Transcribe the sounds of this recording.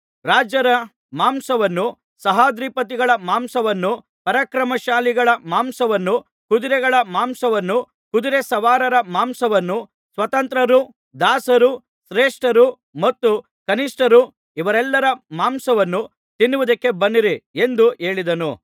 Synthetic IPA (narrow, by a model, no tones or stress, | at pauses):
ɾaːd͡ʒɐɾɐ | maːmsɐʋɐnːu | sɐɦaːd̪ɾipɐt̪̬iɡɐɭɐmaːmsɐʋɐnːu | pɐɾɐkɾɐmɐʃaːliɡɐɭɐmaːmsɐʋɐnːu | kud̪iɾɛɡɐɭɐmaːmsɐʋɐnːu | kud̪iɾesɐʋaːɾɐɾɐmaːmsɐʋɐnːu | sʋɐt̪ɐnt̪ɾɐɾu | d̪aːsɐɾu | sɾeːʂʈɐɾu | mɐt̪ːu | kɐniʂʈɐɾu | iʋɐɾɛlːɐɾɐmaːmsɐʋɐnːu | t̪inːuʋud̪ɐkːe̞bɐnːiɾie̞nd̪ue̞ːɭid̪ɐnu